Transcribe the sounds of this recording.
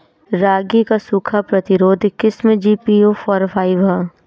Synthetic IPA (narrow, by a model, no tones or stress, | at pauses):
ɾaːɡikasuːkʰapɾɐt̪ɪɾoːd̪ʱkɪsmẽd͡ʒiːpioːfɔːɾfʰaːiʋa